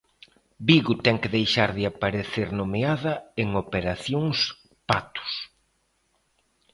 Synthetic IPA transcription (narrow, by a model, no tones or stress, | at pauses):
biɣʊt̪ɛŋkɪðejʃaɾðɪapaɾeθeɾnomeaðɐeŋopeɾaθjoŋs | pat̪ʊ̥s